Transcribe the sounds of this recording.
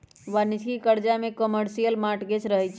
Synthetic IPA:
ʋanit͡ʃʰkikəɾd͡ʒamekəməɾsijəlmaʈɡet͡ʃɾəɦɛt͡ʃʰ

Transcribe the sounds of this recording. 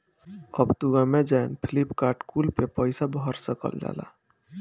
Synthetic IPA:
əbt̪uɡamẽd͡ʒanpʰilipkaːɾʈkulpepəɪsabɔɦəɾsəkə̰ld͡ʒa̰ːla̰

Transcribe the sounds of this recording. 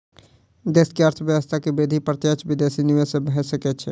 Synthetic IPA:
d̪eskeəɾt̪ʰəʋjəʋəst̪ʰakebed̪ʱipɾət̪jət͡ʃbid̪esiniʋesẽbɦɛsəkɛt͡ʃʰɛ

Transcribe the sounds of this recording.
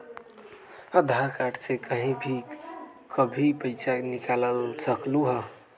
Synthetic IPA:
əd̪ʱaɾkaʈsekəɦĩbʱi | kʰəbʱipəɪsanikaləlsəkluɦə

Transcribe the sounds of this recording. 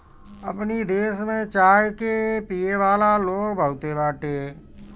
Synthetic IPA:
əpnid̪eːʃmẽt͡ʃaːjkepijeʋaːlaloːkbʱəut̪ebaːʈeː

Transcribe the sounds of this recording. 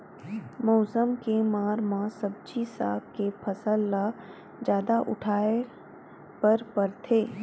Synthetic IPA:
mɔːsəmkemaːɾmãsəb̚d͡ʒisa̰ːkkepʰɐsəlːa | d͡ʒjaːd̪aʔʊ̰ʈʰaːe | pɐɾpɐɾt̪ʰeː

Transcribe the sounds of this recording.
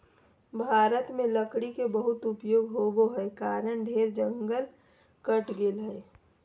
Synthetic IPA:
bʱaːɾət̪mẽləkɽikebəɦʊt̪ʊpjoːɡɦoɡoɦɛkaːɾənɖʱeːɾd͡ʒə̃ŋɡəl | kəʈɡeːlɦɛː

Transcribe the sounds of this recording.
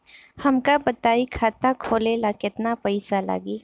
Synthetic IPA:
hɐmkabɐt̪aːikʰaːt̪akʰoːleːlakɪt̪napɐɪsala̰ːɡiː

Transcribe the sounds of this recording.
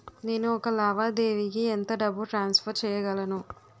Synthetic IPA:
ne̞ːnuɔkɐlɐːʋaːd̪e̞ːʋikient̪ɐɖɐbːuʈɾaːnspʰɐɾt͡ʃɛːjɐɡɐlɐnu

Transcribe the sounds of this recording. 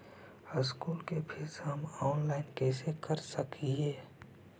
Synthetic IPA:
əskuːlkepʰɪsɦɐmɔːnlaːɪnkɛːsekɐɾsɐkiɦɛː

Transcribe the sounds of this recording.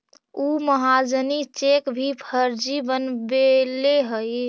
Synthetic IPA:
uməɦad͡ʒənit͡ʃekbʱipʰəɾd͡ʒibənbeleɦəj

